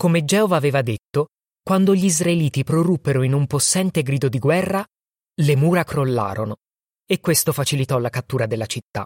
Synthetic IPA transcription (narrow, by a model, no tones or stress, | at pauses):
komed͡ʒɛːovaːveːvad̪et̪ːo | kwand̪oʎiizraeliːt̪ipɾorupːeɾoinumposːɛnt̪eɡɾiːd̪od̪iɡwɛrːa | lemuːɾakɾolːa̰ːɾono | ekːwest̪ofat͡ʃilit̪ɔlakat̪ːuːɾad̪elːat͡ʃit̪ːa̰